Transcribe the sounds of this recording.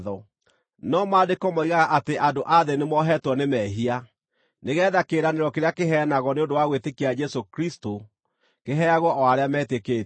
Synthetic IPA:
ðɔ | nɔmaːdekɔmɔiɣaɣaʔateʔadoʔaðenemɔɦɛtwɔnemɛɦia | neɣɛːðakeɾaneɾɔkeɾeakeɦɛːnaɣɔneondowaɣwetekiad͡ʒɛsokɾisto | keɦɛaɣwɔʔɔaɾeamɛtekeː

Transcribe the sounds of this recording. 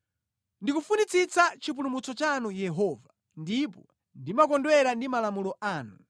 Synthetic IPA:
ndikufunit͡sit͡sat͡ʃip̬ulumut͡sɔt͡ʃanujɛɦɔːva | ndipɔ | ndimakɔndwɛɾandimalamulɔʔaːnu

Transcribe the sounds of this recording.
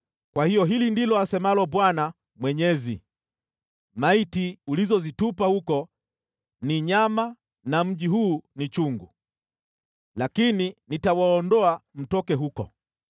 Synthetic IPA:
kwahijɔɦilindilɔasɛmalɔbwana | mwɛɲɛzḭ | maitiulizɔzitupahukɔ | niɲama | nam̩ʄiɦuːnit͡ʃuŋɡu | lakininitawaɔndɔam̩tɔkɛɦukɔ̰

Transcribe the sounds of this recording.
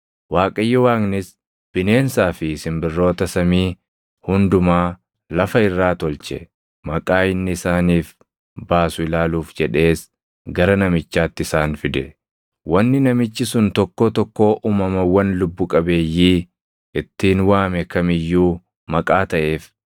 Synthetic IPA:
waːkʼɐjːɐwaːŋnɪs | b̥ɪne̞ːnsaːfɪɪsɪmbɪrːo̞ːt̪ɐsɐmiː | hʊnd̪ʊmaː | lɐfɐɪrːaːt̪ɔlt͡ʃɛ | mɐkʼaːɪnːɪɪsaːniːf | baːsʊɪlaːluːfd͡ʒɛᶑe̞ːs | ɡɐɾɐnɐmɪt͡ʃːaːt̪ːɪsaːnfɪd̪ɛ | wɐnːɪnɐmɪt͡ʃːɪsʊnt̪ɔkːoːt̪ɔkːo̞ːʔuːmɐmɐwɐnlʊbːʊkʼɐbe̞ːjːiː | ɪt̪ːiːnwaːmɛkɐmɪjːuː | mɐkʼaːt̪ɐʔe̞ːf

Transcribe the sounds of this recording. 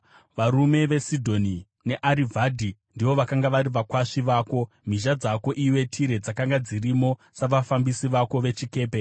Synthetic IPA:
ʋaɾume̞ʋe̞sidʱo̞ni | ne̞ʔaɾivʱadʱindiʋo̞ʋakaŋɡaʋaɾiʋakwaʂiʋaːko̞ | m̤iʃ̬ad͡zako̞ʔiwe̞tʰiɾe̞d͡zakaŋɡad͡zirimo̞ | saʋafambisiʋako̞ʋe̞t͡ʃike̞ːpe̞

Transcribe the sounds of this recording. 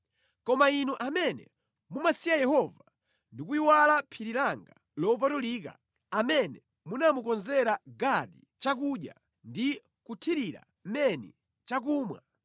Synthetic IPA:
kɔmainuʔamɛnɛ̰ | mumasiajɛhɔva | ndik̬uiwalapʰiɾilaŋɡa | lɔp̬atulika̰ | amɛnɛ | munamukɔnzɛɾaɡati | t͡ʃak̬uɗja̰ | ndi | kutʰiɾiɾa̰ | m̩mɛnḭ | t͡ʃakuːmwa

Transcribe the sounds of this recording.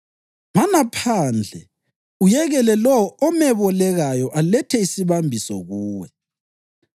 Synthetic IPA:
manapʰaːnd͡ɮʱɛ | ujɛɣɛlɛlɔɔmɛβɔlɛɣajɔʔalɛtʰɛisiβambʱisɔ̰ɣuːwɛ

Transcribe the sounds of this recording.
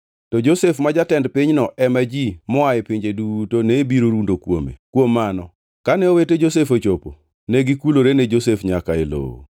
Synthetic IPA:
tɔd͡ʒosefmad͡ʒatɛndpɪɲnɔʔɛmad͡ʒimɔaɛpɪɲd͡ʒedutonebiɾoɾundokwo̰mḛkwomːanɔ | kanɛoweted͡ʒosefot͡ʃopo̰ | neɡikuloɾened͡ʒosefɲakaelo̰o̰

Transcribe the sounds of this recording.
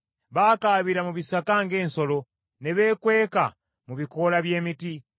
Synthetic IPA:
βaːkaːβiɾamuβisakaŋɡe̞ːnso̞lo̞ | neβe̞ːkwe̞ːka | muβiko̞laβje̞ːmiti

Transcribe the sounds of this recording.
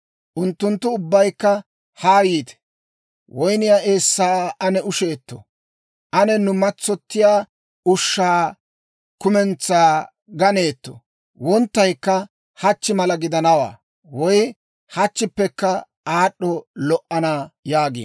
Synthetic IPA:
ʔʊnt̪ːʊnt̪ːʊʊbːɐjkːɐ | haːjiːt̪ɛ̥ | wɔjnɪjaʔeːsːaːʔɐnɛʊʃeːt̪ːɔ̰ | ʔɐnɛnʊmɐt͡sːɔt̪ːɪjaː | ʊʃːaː | kʊmɛnt͡sːaː | ɡɐneːt̪ːɔ̥̰ | wɔnt̪ːɐjkːɐ | hɐt͡ʃːɪmɐlɐɡɪd̪ɐnɐwa̰ː | wɔj | hɐt͡ʃːɪpːɛkːɐ | ʔaːɗːɔlɔʔɐnaːjaːɡḭːn

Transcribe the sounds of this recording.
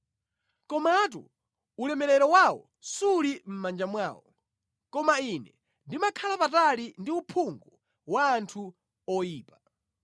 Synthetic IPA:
kɔmat̬ṵ | ulɛmɛɾɛɾɔwawɔ̰ | sulim̩mand͡ʒamwaːwɔ | kɔmainɛ | ndimakʰalapatalindiupʰuŋɡɔ | waːntʰu | ɔjiːpḁ

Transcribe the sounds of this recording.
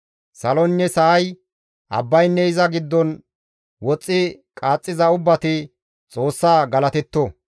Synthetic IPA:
sɐlɔnːɛsɐɐj | ʔɐ̰bːɐjnːɛɪzɐɡɪd̪ːɔn | wɔt͡sʼːɪkʼaːt͡sʼːɪzɐʊbːɐt̪ɪ | t͡sʼo̞ːsːaːɡɐlɐt̪ɛt̪ːɔ

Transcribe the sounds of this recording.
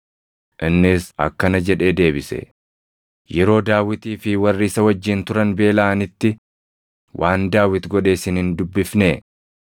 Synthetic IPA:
ʔɪnːɪsɐ̰kːɐnɐd͡ʒɛᶑe̞ːd̪e̞ːbɪsɛ̰ | jɛɾo̞ːd̪aːwɪt̪iːfɪwɐrːiːsɐwɐd͡ʒːɪnt̪ʊɾɐnbe̞ːlaːnɪt̪ːɪ | wʔaːnd̪aːwɪt̪ɡɔᶑe̞ːsɪnhɪnd̪ʊbːɪfneː

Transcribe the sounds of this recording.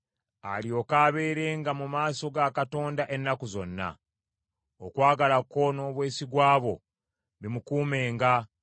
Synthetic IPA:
a̰lio̞kaːβe̞ːɾe̞ːŋɡamumaːso̞ɡakato̞ːndaʔe̞nːakuzo̞̰nːa̰ | okwaːɡalako̞no̞ːβwe̞ːsiɡwaːβo̞ | βimukuːme̞ːŋɡa

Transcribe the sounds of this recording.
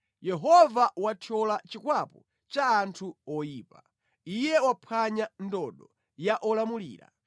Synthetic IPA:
jɛɦɔvawatʰɔlat͡ʃikwapɔ | t͡ʃaːntʰuɔjiːpa | ijɛwapʰaɲandɔɗɔ | jaʔɔlamulḭːɾa̰

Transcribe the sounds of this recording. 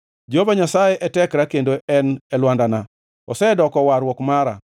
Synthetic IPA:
d͡ʒobaɲasajeʔɛtɛkɾakendoɛnɛlwandana | ɔ̰sɛdɔkɔwaɾwɔkmaɾa̰

